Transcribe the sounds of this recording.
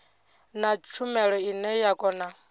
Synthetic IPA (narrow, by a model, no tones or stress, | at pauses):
nat͡ʃʰumɛɺɔinɛjakʼɔːna